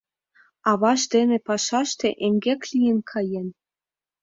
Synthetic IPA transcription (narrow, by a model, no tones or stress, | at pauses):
ɑβɑʃd̪enĕpɑʃɑʃt̪eʔeŋɡʲeklʲijɘ̆nkʰɑjenʲ